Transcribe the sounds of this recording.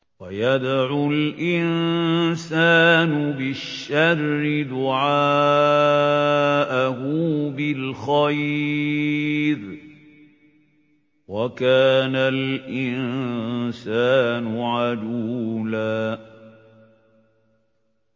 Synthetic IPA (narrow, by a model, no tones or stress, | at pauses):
wajad̪aʕʊlʔɪnsaːnʊbɪʃːarːɪd̪ʊʕaː | ʔahʊbɪlxaj | ɾ | wakaːnalʔɪnnsaːnʊʕad͡ʒuːlaː